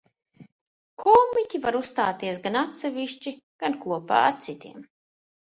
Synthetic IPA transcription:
kʰɔːmicʲivaɾusst̪aːt̪iɛs̬ɡanat̪sɛviʃt͡ʃiɡ̥ankuɔpa̰ːa̰ɾt̪sit̪iɛm

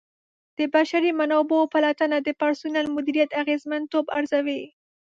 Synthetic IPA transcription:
d̪̥əbaʃaɾimanabopalat̪anad̪əpaɾsunalmʊd̪iɾijat̪aɣezmant̪obaɾzawe

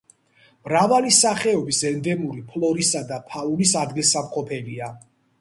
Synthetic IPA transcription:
mɾavalisaχɛɔbisɛnd̪ɛmuɾipʰlˠɔɾisad̪apʰaulisad̪ɡilsamqʼɔpʰɛlia

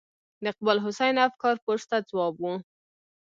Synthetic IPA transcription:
d̪əq̚balɦʊsajnafkɑɾpoʂt̪ad͡zwɑbwu

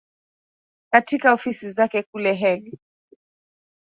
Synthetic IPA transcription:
katikaɔfisizakɛkulɛɦɛli

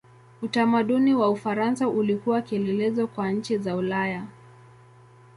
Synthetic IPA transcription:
utamaɗuniwaufaɾansaʔulikuwakiɛlɛlɛzɔkwaɲ̩t͡ʃizaulaja

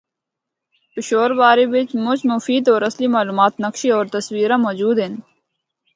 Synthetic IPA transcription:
pɪʃoːɾʋaːɾiʋɪt͡ʃmʊt͡ʃmʊfiːd̪ɔːɾəslimaːluːmaːt̪nəkʃiɔːɾt̪əswiːɾãːmɔːd͡ʒuːd̪ɦɪn

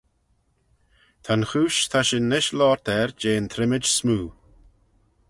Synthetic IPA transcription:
t̪ʰanxuːʃt̪ʰaʃɪnːɪʃlɔːɹt̪ʰɛɹd͡ʒeːnt̪ʰɾɪmɪd͡ʒsmuː

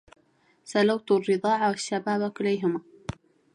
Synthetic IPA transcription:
sɑlawt̪rːɨðˤɑːʕawaʃːabaːbkʊlːajɦʊmaː

